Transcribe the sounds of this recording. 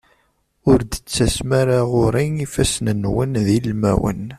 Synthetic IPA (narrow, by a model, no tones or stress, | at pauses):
ʊɾd̪ət͡sːæsmaɾaʁʊɾˤiŋifæsnənwənðilmæ̰wə̰n